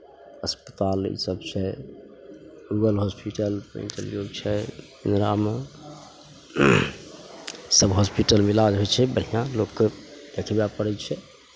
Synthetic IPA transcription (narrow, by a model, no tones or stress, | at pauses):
əspət̪alḭsəbt͡ʃʰɛ | ɡuɡəlɦospiʈəlpɾḛ̃nʈə̰ljoɡ̚t͡ʃʰɛ | ḭnɾam | səbɦospiʈəlmilad͡ʒɦojt͡ʃʰɛbəɽ̤ijãlokːəd̪̥ekʰbapəɽɛt͡ʃʰɛ